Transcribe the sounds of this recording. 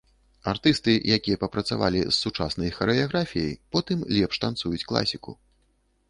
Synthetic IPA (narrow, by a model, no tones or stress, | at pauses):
art̪ɨst̪ɨjakʲijɐpɐpɾɐt̪sava̰lʲḭzːut͡ʂa̰snɐjxɐɾɛjaɣɾafʲijɛ̰jpɔt̪ɨmlʲɛpʂt̪ant̪sujut͡sʲklˠa̰sʲikṵ